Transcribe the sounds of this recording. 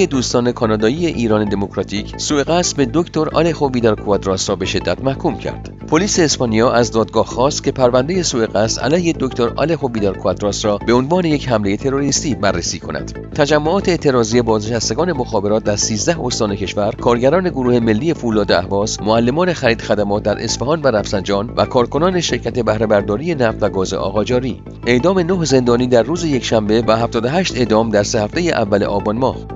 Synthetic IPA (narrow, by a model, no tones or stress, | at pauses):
ed̪uːst̪ɒːne̞kʰɒːnɒːd̪ɒːiːje̞ʔiːɾɒːned̪e̞mokɾɒt̪ʰiːcʰsue̞ɣæsbe̞d̪o̞kt̪ʰo̞ɾɒ̰lexoviːd̪ɑɾkʰuæd̪ɾɒːsɾɒːbe̞ʃe̞d̪ːæt̪mæhkʰuːmcʰæ̰ɾd̪̥ | pʰoliːse̞ːspɒnijɒːʔæzd̪ɒːd̪̚ɡɒːhxɒːst̪cʲʰe̞pʰæɾvænd̪e̞je̞sueɣæsæ̰læjhed̪okt̪o̞ɾɒ̰le̞xo̞viːd̪ɑɾkʰuæd̪ɾɒːsɾɒːbeo̞nvɒːne̞je̞chæmle̞je̞t̪ʰe̞ɾo̞ɾist̪iːbærːesiːkʰo̞̰nʔæ̰d̪̥ | t̪ʰæd͡ʒæmːoɒːt̪ʰeːt̪ʰe̞ɾɒːzije̞bɒːzneʃæst̪e̞ɡɒːne̞moxɒːbe̞ɾɒːt̪̚d̪æɾsiːzd̪æho̞st̪ɒːnecʰe̞ʃvæɾkʰɒːɾɟæɾɒːne̞ɡoɾuːhe̞me̞lːiːe̞fulɒːd̪eæhvɒːsmoælːe̞mɒːne̞xæɾiːd̪̥xæd̪æmɒːt̪̚d̪æɾʔe̞sfeɦɒːnvæɾæfsænd͡ʒɒːnvæ̰kʰɒːɾkʰo̞nɒːne̞ʃe̞ɾcʰæt̪ʰe̞bæhɾebæɾd̪ɒːɾije̞næft̪væɡɒːze̞̰ʔɒ̰ːɣɒːd͡ʒɒːɾiː | ʔe̞ʔd̪ɒːme̞noɦze̞nd̪ɒːniːd̪æɾruːzejecʃæmbe̞væɦæft̪ɒːd̪oɦæʃt̪e̞ʔd̪ɒːmd̪æɾse̞hæft̪e̞jeʔævːæle̞̰ʔɒːbɒnmɒːh